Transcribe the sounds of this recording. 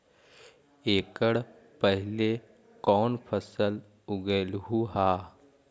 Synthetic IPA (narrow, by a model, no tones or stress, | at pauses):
eːkəɽ | pəɦɪle | kɔːnpʰəsəl | ʊɡelɦuɦaː